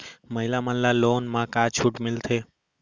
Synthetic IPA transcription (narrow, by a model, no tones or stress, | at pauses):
məɦilamənllːalonmãkat͡ʃʰuʈmɪlt̪ʰe